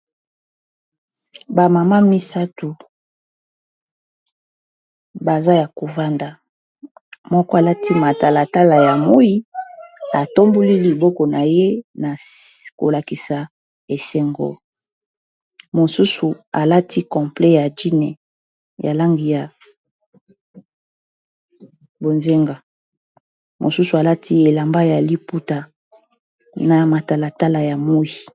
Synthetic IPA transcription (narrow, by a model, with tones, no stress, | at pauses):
ba˨ma˨ma˦mi˦sa˦tu˨ | ba˨za˦ja˨ko˨va˦nda˨ | mɔ˦kɔ˦a˨la˦ti˦ma˨ta˦la˨ta˦la˨ja˨mo˦i˦ | a˨to˦mbu˦li˦li˨bɔ˦kɔ˨na˨je˦na˨ko̰˨la˨ki˨sa˨ | e˨se˨ŋɡo̰˦ | mo˨su˦su˨a˨la˦ti˦kɔ̃˨mple˦ja˨di˦nɛ̰˨ | ja˨la˦ŋɡi˨ja˨ | bo˨nze˦ŋɡa˨ | mo̰˨su˦su˨a˨la˦ti˦e˨la˨mba˦ja˨li˦pu˦ta˨ | na˨ma˨ta˨la˨ta˦la˨ja˨mo˦ji˨